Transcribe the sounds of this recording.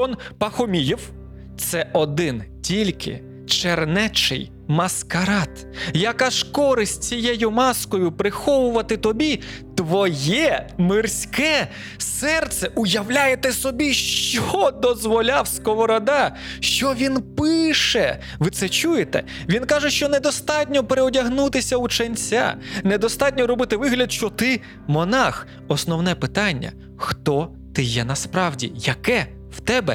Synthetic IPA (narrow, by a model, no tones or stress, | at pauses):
ɔnpɐxɔmʲijiw | t̪sɛɔd̪ɪntʲilʲkʰɪ̰ | t͡ʃernɛt͡ʃɪ̰j | mɐskɐɾɑt̪ | jɐkɑʃkɔɾɪsʲtʲt͡sʲijɛjʊmɑskɔjʊpɾɪxɔʋʊʋɐt̪ɪt̪ɔbʲi | t̪ʋɔjɛmɪrsʲkɛ | sɛrt̪sɛʔʊjɐwlʲajet̪ɛsɔbʲiʃt͡ʃɔd̪ɔzʋɔlʲɑwsʲkɔɦɔɾɔd̪ɑ | ʃt͡ʃɔʋʲinpɪʃɛ | ʋɪt̪sɛt͡ʃujet̪ɛ̰ | ʋʲinkɑʒɛʃt͡ʃɔned̪ɔst̪ɑtʲnʲɔpeɾeɔdʲɐɦnut̪ɪsʲɐut͡ʃɐnʲt͡sʲa̰ned̪ɔst̪ɑt̚ʲnʲɔɾɔbɪt̪ɪʋɪɦlʲɐd̪ʃt͡ʃɔt̪ɪ | mɔnɑx | ɔsnɔwnɛpɪt̪ɑnʲːɐ̰ | xt̪ɔ | t̪ɪjɛnɐspɾɑwdʲḭjɐkɛ | wt̪ɛbɛ